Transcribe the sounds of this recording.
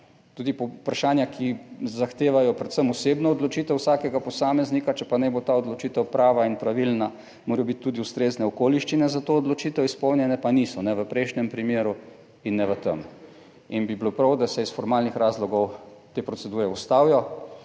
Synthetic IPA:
t̪uːd̪ippɾaʃaːnjakʰizaxt̪eːʋajɔpɾɛt̪səmɔseːbnɔɔd̪lɔt͡ʃiːt̪ɛwsaːkɛɡapɔsaːmɛznikat͡ʃɛpanɛbot̪aɔd̪lɔt͡ʃiːt̪ɛwpɾaːʋainpɾaʋilna | moːɾjɔbit̪t̪ːuːd̪iust̪ɾeːznɛɔkoːliʃt͡ʃinɛzat̪oːd̪lɔt͡ʃiːt̪ɛwispɔwnʲjɛnɛpanisɔnɛʋəpɾɛjʃnɛmpɾimeːɾu | inːɛʋət̪ə̰m | inbibilopɾawd̪asɛisfɔɾmaːlnixɾaːzlɔɡɔwt̪eːpɾɔtsɛd̪uːɾɛust̪aːwjɔ

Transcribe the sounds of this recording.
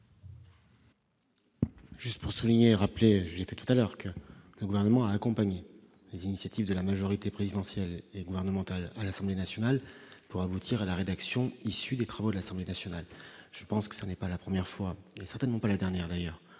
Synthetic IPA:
ʒ̥yst̪puʁsuliɲeʁapleʒəlɛfɛt̪u̥t̪alœʁkələɡuvɛʁnəmɑ̃aːkɔ̃paɲe | lezinisjat̪ivd̪əlamaʒɔʁit̪epχezid̪ɑ̃sjɛleɡuvɛʁnəmɑ̃t̪alalasɑ̃blenasjɔnalpuʁabut̪ʰiʁalaʁed̪aksjɔ̃isyd̪et̪χavod̪əlasɑ̃blenasjɔnalʒ̥əpɑ̃skə̥sanɛpalapχəmjɛʁfwaesɛʁt̪ɛnmɑ̃palad̪ɛʁnjɛʁd̪ajœːʁ

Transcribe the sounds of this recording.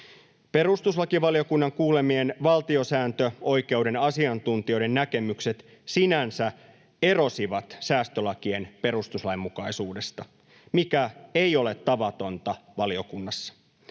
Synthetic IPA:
pe̞rust̪uslɑkiʋɑlijo̞kunːɑŋkuːle̞mienʋɑlt̪io̞sæːnt̪øo̞jke̞ude̞nɑsiɑnt̪unt̪io̞jde̞nːæke̞mykse̞t̪ | sinænsæ | e̞ro̞siʋɑt̪sæːst̪ølɑkie̞npe̞ɾust̪uslɑimːukɑisuːde̞st̪ɑ | mikæe̞jo̞le̞t̪ːɑʋɑt̪o̞nt̪ɑʋɑlio̞kunːɑsːɑ̥

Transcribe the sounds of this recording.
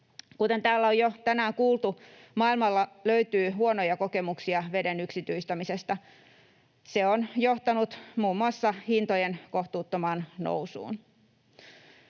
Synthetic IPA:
kut̪e̞nt̪æːlːæojot̪ænæːŋkuːlˠt̪umɑilmɑlːɑløyt̪yːhuonojɑkoke̞muksiɑʋedenyksit̪yist̪æmisest̪æ | seonjoht̪ɑnut̪muːmːuɑsːɑhint̪ojenkoht̪uːt̪ːomɑːnno̰wsṵːn

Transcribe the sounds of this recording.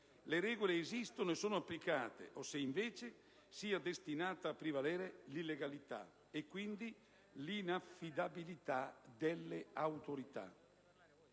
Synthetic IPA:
leɾɛːɡoleːzist̪onoesːoːnoapːlikaːt̪ḛʔosːeiɱveːt͡ʃe | siːad̪est̪inaːt̪aːpːɾivalɛːɾelilːeɡalit̪a̰ | ekːwind̪i | linafːid̪abilit̪ad̪elːeawt̪oɾit̪a̰

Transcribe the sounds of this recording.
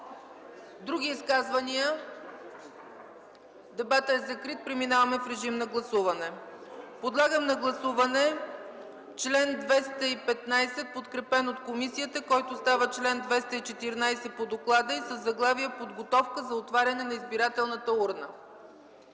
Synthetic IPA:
d̪ɾuɡ̟ʲiːskazvɐniə | d̪ɛbat̪əɛzɐkɾit̪̚pɾɛminavɐmɛfɾɛʒimnɐɡlˠɐsuvɐnɛpod̪lˠaɡəmnɐɡlˠɐsuvɐnɛ | t͡ʃlɛnd̪vɛst̪əipɛt̪najsɛt̪̚pot̪kɾɛpɛnot̪komisijət̪əkɔjt̪ʊst̪avət͡ʃlɛnd̪vɛst̪əit͡ʃɛt̪iɾnajsɛt̪pod̪oklˠad̪əisəzːɐɡlˠaviəpod̪ɡot̪ɔfkəzɐot̪vaɾʲɐnɛnɐizbiɾat̪ɛlˠnət̪əuɾnə

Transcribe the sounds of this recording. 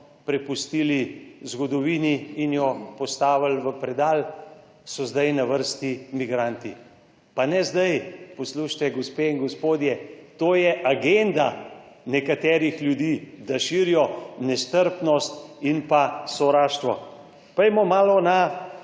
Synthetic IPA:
pɾɛpust̪ilizɡɔd̪ɔʋiːniːnjɔpɔst̪aːʋalʋəpɾɛd̪aːl | sɔzd̪ajnaʋəɾst̪imiɡɾant̪i | panɛzd̪ajpɔsluʃt̪ɛɡospeiŋɡospoːd̪jɛt̪oːjɛʔaɡend̪a | nɛkat̪ɛːɾixlʲjud̪iːd̪aʃiːɾijɔnɛst̪əɾpnɔst̪inpasɔʋɾaːʃt̪ʋɔ | pɾɛjmɔmaːlɔna

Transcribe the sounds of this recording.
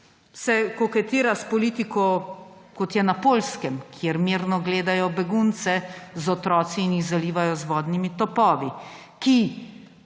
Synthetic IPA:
sɛkɔkɛt̪iːɾaspɔliːt̪ikɔkɔt̪jɛnapoːlskɛmkʰjeɾmiːɾnɔɡleːd̪ajɔbɛɡunt̪sɛzɔt̪ɾɔːt̪siːnjixɣzaliːʋajɔzʋɔːd̪nimit̪ɔpɔːʋi | ki

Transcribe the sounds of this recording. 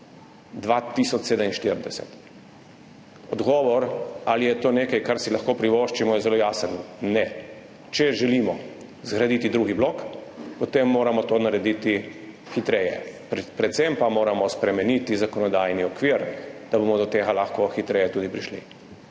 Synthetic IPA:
d̪ʋat̪ːisɔt͡ʃ̪seːd̪əminʃt̪iɾnd̪ɛsɛ̰t̪ | ɔd̪ɡɔːʋɔɾalijɛt̪oːneːkajkaɾsilaxkoːpɾiʋoːʃt͡ʃimɔjɛzɛloːjaːsənnɛ | t͡ʃɛʒɛlimɔ | zɡɾad̪iːt̪id̪ɾuːɡiblokpɔt̪emːoːɾamɔt̪oːnaɾɛd̪iːt̪i | xit̪ɾɛjɛ̰ppɾɛt̪sɛmpamoːɾamɔspɾɛmɛnit̪izakɔnɔd̪ajniɔkʋiɾd̪̥abomɔd̪ɔt̪eːɡalaxkoxit̪ɾɛːjɛt̪uːd̪ipɾiʃlḭ

